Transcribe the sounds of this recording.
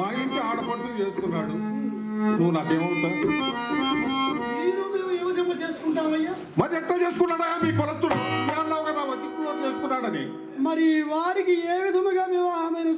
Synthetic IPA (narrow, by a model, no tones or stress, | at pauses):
aːjiːɳʈiaːɽɐpɐːsɐt͡ʃeːsukunːaːɽu | nuʋːunaːkeːmɐnt̪ɐ | niːnumeːmeːʋid̪ʱɐŋɡaːt͡ʃeːsu̥kuɳʈaːlɐjːaː | mɐɾiɛʈlɐt͡ʃeːsu̥kunːaːɽɐjaːmiːpɐlɐst̪ːunɐɐmaːɾlɐːʋuɡaːnaːʋɐt͡ʃːit̪ːulɐːɾt͡ʃeːsu̥kunːaːɽɐd̪ḭ | mɐɾiʋaːɾikieːʋid̪ʱɐmɐɡaːmeːʋaːmɐjnɐ